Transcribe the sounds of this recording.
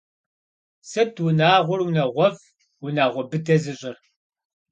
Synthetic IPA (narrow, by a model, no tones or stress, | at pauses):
sɨdwʊnaːʁʷʊrwunɐʁʷɔf | wʊnaːʁʷɔbɨdɐzɨɕʼɪr